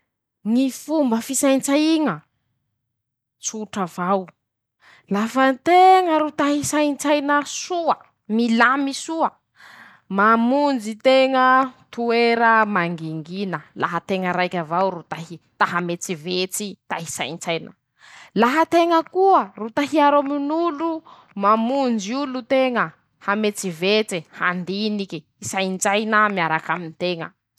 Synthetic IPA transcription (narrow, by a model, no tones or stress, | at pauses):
ŋifumbəfisajnt͡saiŋə | t͡suʈ͡ʂavaw | lafənt̪eŋəɾut̪aɦisant͡sajnəsuə | milamisuə | mamund͡zit̪eŋət̪ueɾəmaŋɡiŋɡinəla̰ɦət̪eŋəɾajkʲavawɾut̪aɦit̪aɦamet͡sivet͡sit̪aɦisajnt͡sajnə̰ | laɦət̪eŋəkuərut̪aɦiaɾominulu | mamund͡ʒiulut̪eŋə | hamet͡sivet͡siha̰nd̪iniki | isajnt͡sajnəmiaɾakaminit̪eŋə̰